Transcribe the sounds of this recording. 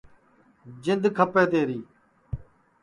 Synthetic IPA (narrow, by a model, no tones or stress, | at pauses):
d͡ʒɪnd̪kʰəpeːt̪eːɾiː